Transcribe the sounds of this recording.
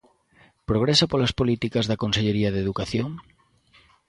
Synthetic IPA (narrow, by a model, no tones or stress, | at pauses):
pɾoɣ̞ɾesapolaspolit̪ikazðakonseʎeɾiaðeðukaθjoŋ